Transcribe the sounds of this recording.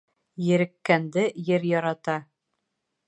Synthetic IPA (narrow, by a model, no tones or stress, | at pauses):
jɘ̆ɾɘ̆kːænd̪ɘjɘɾjɒɾɑt̪ɑ